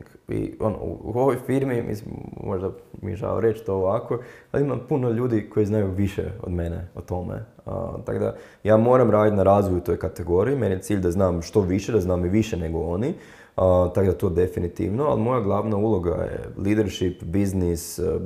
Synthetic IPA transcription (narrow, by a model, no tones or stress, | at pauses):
kḭo̞̰no̰ṵuoʋojfiɾmimʔḭsimmoʒd̪amḭʒa̰o̰ɾet͡ʃt̪ooʋakoalimampunoʎuːd̪iko̞jiznajuʋiʃḛo̞̰d̪me̞nḛot̪o̞mḛə̰t̪a̰kod̪a̰ | jaːmo̞ːɾamɾaːd̪it̪naɾaːzʋojut̪o̞jkat̪eɡo̞ɾiimenjet̪siːʎd̪aznaːmʃt̪o̞ʋiʃed̪aznaːmiʋiʃene̞ɡooni | ət̪akod̪at̪o̞ːd̪efinit̪ḭʋnoa̰lˠimo̞jaɡlˠaʋnaulˠo̞ɡa̰jḛliːd̪eɾʃipbiznis